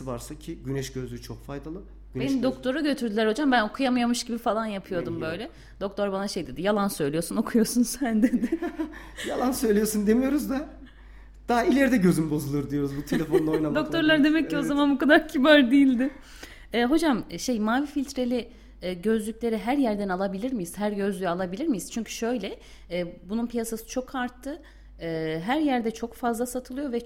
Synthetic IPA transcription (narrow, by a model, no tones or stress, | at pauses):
vaɾsacʰɪɟynɛʃɟøzlʲyt͡ʃʰokfajd̪alˠɯ | benind̪o̞k̚t̪ʰo̞ɾaɟø̞t̪ʰyɾd̪ylʲæɾho̞d͡ʒambæno̞kʰujamɯjamɯʃɟibifalˠanjapʰɯjo̞ɾd̪umbø̞jlʲɛ | d̪o̞kt̪ʰoɾbanaʃe̞jd̪e̞d̪ijalˠansø̞jlʲijosuno̞kʰujo̞sunsænd̪ed̪ɪ | jalˠansø̞jlʲijosund̪e̞mijo̞ɾuzd̪a | d̪̥ailʲeɾd̪ɛɟø̞zymbo̞zulˠuɾd̪ijo̞ɾuzbut̪ʰe̞lʲefo̞unojnad̪o̞k̚t̪ʰo̞ɾlˠaɾd̪e̞mɛcːio̞zamanbukad̪aɾcʰibaɾd̪ijilʲd̪ɪ | ɛːɦo̞d͡ʒamʃe̞jmaːvifilʲt̪ʰɾe̞lʲi | ɟø̞zlʲycʲlʲe̞ɾiɦæɾjæɾd̪ænalˠabilʲiɾmijiz̥ɦæɾɟø̞zlʲyjalˠabilʲiɾmijiz̥t͡ʃʰyɲcʰy̥ʃø̞jlʲɛː | bununpʰijasasɯ̥t͡ʃʰo̞kʰaɾt̪ʰːɯː | ɦæɾjæɾd̪ɛt͡ʃʰo̞kfazlˠasat̪ʰɯlˠɯjo̞vɛ